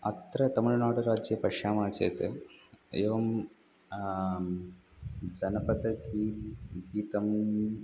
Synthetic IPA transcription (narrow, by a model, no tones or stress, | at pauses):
ɐt̪ɾɐt̪ɐmuɻnaːɽɐɾaːd͡ʒjɐpɐʂaːmaːt͡ʃḛːt̪ɨeːʋɐm | d͡ʒɐnɐpɐt̪ɐɡiɡiːt̪ɐm